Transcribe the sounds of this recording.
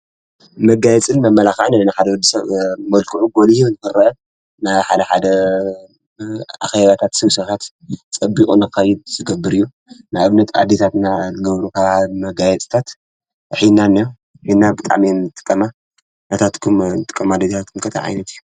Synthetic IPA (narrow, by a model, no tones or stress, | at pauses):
mɐɡajɛt͡sʼɨnmɐmːɐlaxaʕnanaħad̪ɐwɔd̪ːisɐβmɐlkʰɨʕuɡolijunɨxɨrːɐʔɐ | naħad̪ɐħad̪ɐ | ʔa̰xeβat̪ʰat̪sɨβsɐt̪ʰat̪ | t͡sʼɐbikʼunɨkɐjɪd̪̚zɨɡɐbːɨɾɨjːu | najʔɨβnɐt̪ʰa̰d̪ːet̪ʰat̪nazɨɡɐβɾukʰɐβahaβmɐɡajɛt͡sʼt̪ʰat̪ | ħinːanːɐj | ħinːabɨt̪ʼa̰ʕminɨt̪ʼɨ̥kʼːɐma | nɐt̪ʰat̪kʰumnɨt̪ʼɨ̥kʼːɐmad̪et̪ʰt̪ʰat̪̚kʰumkʰɐt̪ʰa̰ʕa̰jnɐt̪ʰijːu